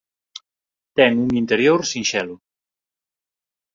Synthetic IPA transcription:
t̪ɛŋuŋint̪eɾjoɾsiŋʃɛlu

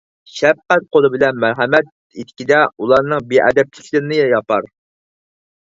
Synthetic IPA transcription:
ʃɛf̚qæt̪̚qʰolˠɨbɪlɛnmæɾɦɛmɛt̪̚ | it̪ʰɪ̥kʲid̪ɛulˠɑɾnɨŋbeʔɛ̰d̪ɛp̚lʰɪkʲʰlɪɾɪnɪjjɑpʰɑɾ

